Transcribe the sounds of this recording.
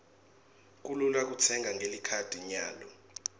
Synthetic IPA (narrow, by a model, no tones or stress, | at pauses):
k̬ʼululak̬ʼut͡sʰɛŋɡʱaŋɡʱelikʰad̥ʱiɲaːlɔ